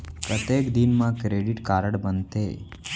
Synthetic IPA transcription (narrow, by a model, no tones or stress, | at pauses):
pɾət̪jekd̪inmãkɾeɖiʈkaɾəɽbənt̪ḛ